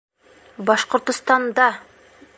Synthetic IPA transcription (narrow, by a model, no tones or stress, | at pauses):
bɑʃqŏɾt̪ʊ̆st̪ɑnd̪ɑ